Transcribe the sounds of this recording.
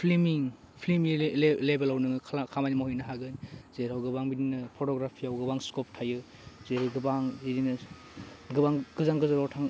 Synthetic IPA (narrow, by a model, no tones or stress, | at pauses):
pʰlimiŋ | pʰlimilebelawnɯŋɯkʰakʰamajnimahujnɐɦaɡɯnz̥eɾawɡɯbaŋbininɯpʰɔtɔɡɾapʰiawɡɯbaŋskɔp̚tʰajɯ | zeɾɯɡɯbaŋzidinɐ | ɡɯbaŋɡɯzaŋɡɯzaɾawtʰaŋ